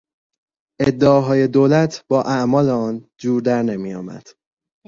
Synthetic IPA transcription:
ʔed̪ːeɒːɦɒːje̞d̪oːlæt̪ʰb̥ɒːʔæʔmɒːleɒːnd͡ʒuːɾd̪æɾne̞mijɒ̰ːmæ̰d̪̥

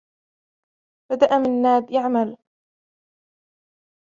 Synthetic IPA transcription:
b̥ad̪aʔamɪnːaːd̪jaʕmal

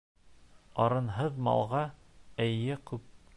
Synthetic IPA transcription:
ɑɾɤ̆nɦɤðmɑ̰lˠʁɑ | æjɘkʉp̚

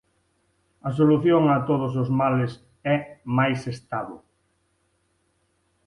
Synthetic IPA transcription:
ɐs̬oluθjoŋɐt̪oð̞os̬ozmales | ɛmajsest̪aβo

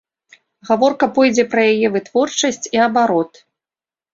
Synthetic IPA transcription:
ɣavɔrkɐpɔjd͡zʲɛpɾɐjajɛvɨt̪vɔrt͡ʂɐsʲt͡sʲiɐbaɾɔt̪

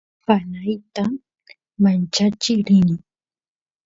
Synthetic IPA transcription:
panajt̪a | mant͡ʃat͡ʃɪkɾɪnɪŋ

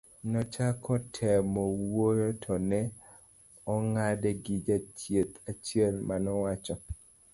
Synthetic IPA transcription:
nɔt͡ʃakʰɔtʰɛmɔwojotʰɔnɛ | ɔŋadɛɡɪd͡ʒat͡ʃjet̪at͡ʃjɛlmanɔwat͡ʃɔ

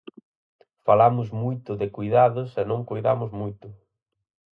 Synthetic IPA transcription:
falamʊzmujt̪ʊðɪkujðaðʊsenõŋkojða̰mʊzmujt̪ʊ

